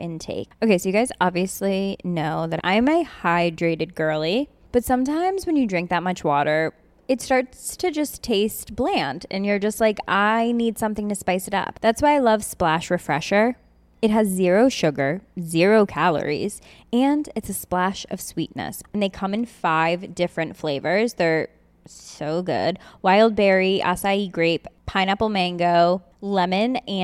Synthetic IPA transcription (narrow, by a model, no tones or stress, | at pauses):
ʔɨ̃ntʰḛɪk̚oʊkʰeɪsoʊjɨɡaɪzɑbviɨslinoʊðɨɾʔã̰ɪ̃mɨhaɪdɹeɪɾɨd̚ɡɜ˞lˠi | b̥ʌtsʌ̃mtʰãɪ̃mzwɨ̃njɨdɹɪ̃ŋk̚ðɨt̚mʌt͡ʃwɔɾə˞ | ɨtstɑɹtstʰɨd͡ʒʌstʰeɪst̚b̥læ̃ndɨ̰̃njə˞d͡ʒʌst̚ˡlaɪkaɪnid̥sʌ̃mθɪ̃ŋtɨspaɪsɨɾʌ̰p̚ðætswaɪaɪlʌv̥splæʃɹɨfɹɛ̰ʃə˞ | ɨt̚ɦɨzːɪɹoʊʃʊɡə˞zɪɹoʊkʰælˠə̰˞ḭz̥ | ɨ̃ndɨtsɨsplæʃʌ̰v̥swḭtⁿnɨ̰snðeɪkʰʌ̃mɨ̃nfaɪvdɪfɹɨ̃ntfleɪvə˞zðə˞ | soʊɡʊ̰d̥̚waɪlˠd̚bɛɹiʔæ̰saɪiɡɹeɪpʰãɪ̃ñʌpəmæ̃ŋɡoʊ | lɛmɨ̃nɨ̃